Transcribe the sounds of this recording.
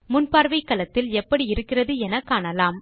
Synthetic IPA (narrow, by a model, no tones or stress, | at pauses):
mʊnpaːɾʋɐɪkːɐlɐt̪ːɪlɛpːɐɽiɪɾɯkːɪrɐðɯɛnɐkːaːɳɐlaːm